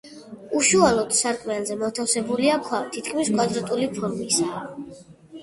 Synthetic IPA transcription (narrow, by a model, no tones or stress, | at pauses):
uʃualˠɔd̪̥saɾkʼmianzɛmɔt̪ʰafsɛbuliakʰwat̪ʰit̪kʰmiskʼwad̪ɾɔt̪ʼulipʰɔɾmisa